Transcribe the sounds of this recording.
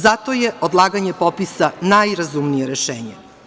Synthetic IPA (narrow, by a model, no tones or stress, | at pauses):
zat̪ojeod̪lˠaːɡaɲepopisanajɾazumnijeɾeʃḛːɲe